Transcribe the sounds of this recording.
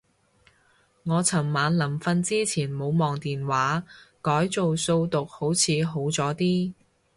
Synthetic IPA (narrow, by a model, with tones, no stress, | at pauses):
ŋɔː˨˧t͡sʰɐ˨˩mːaː˨˧nlɐ˨˩mfɐ˧nt͡siː˥t͡sʰiː˨˩nmo˨˧wmɔː˨ŋt̪iː˨nwaː˨˥kɔː˨˥jt͡so˨wso˧wt̪ʊ˨k̚ho˨˥wt͡sʰiː˨˧ɦo˨˥wt͡sɔː˨˥t̪iː˥